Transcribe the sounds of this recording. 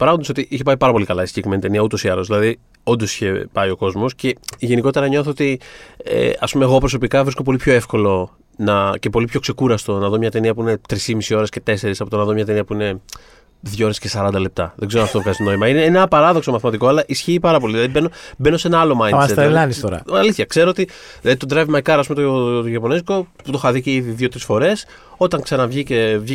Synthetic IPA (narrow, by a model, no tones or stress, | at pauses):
pɐɾɐɣnd̪ɐso̞t̪iʔiçepɐipɐɾɐpo̞likɐlɐiscikɾimenit̪e̞niɐut̪o̞siɐlo̞zðilɐði | o̞nd̪o̞si̥çe̞pɐio̞ko̞zmo̞sce̞ʝe̞niko̞t̪eɾɐɲo̞θoot̪iḛɐ̰spumeɣo̞pɾo̞s̬o̞pikɐvɾisko̞p̬o̞lipço̞e̞fko̞lo̞ | nɐce̞po̞lipço̞kse̞kuɾɐst̪o̞nɐðomɲɐt̪e̞niɐpuine̞t̪ɾisimisio̞ɾesce̞t̪e̞se̞ɾisɐpot̪onɐðomɲɐt̪e̞niɐpuine̞ | ðʝao̞ɾesce̞sɐɾɐnd̪ɐle̞p̚t̪ɐ̰ðeɡzeonɐftot̪vɣɐzit̪ono̞imɐineenɐpɐɾɐðo̞kso̞mɐθimɐt̪iko̞ɐlɐʔisçiːpɐɾɐp̬o̞liðlɐðibeno̞be̞nose̞nɐɐlo̞mɐjset̪lɐnioɾɐ̰ɐliθçɐkse̞ɾoot̪i | lɐðit̪od̪ɾɐvimɐjkɐɾɐs̬umet̪ot̪oʝɐpo̞nezkoput̪o̞xɐðiceiðiðjʝo̞t̪ɾisfo̞ɾe̞s | o̞t̪ɐŋksɐnɐvʝice̞vʝi